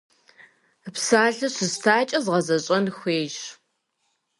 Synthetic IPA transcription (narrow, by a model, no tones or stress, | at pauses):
psaːɮɨɕɨztʰaːt͡ʃʼɐzʁɐzɐɕʼɐnxʷeːʒ